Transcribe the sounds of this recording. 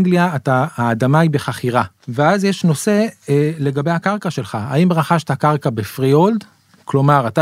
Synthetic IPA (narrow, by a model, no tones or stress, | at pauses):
ŋɡliaːt̪aaːd̪amaibe̞χaχiʁa | veazjeʃno̞se̞le̞ɡabe̞jhakaʁkaʃe̞lχaa̰imʁaχaʃt̪hakaʁkabe̞fʁiold̪ | klo̞maʁat̪a